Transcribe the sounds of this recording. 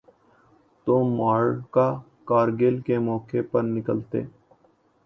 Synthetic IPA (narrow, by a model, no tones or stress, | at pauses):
t̪oːmaːɭkaː | kaːɾɡeːlkemɔːkepəɾnɪkəlt̪ḛː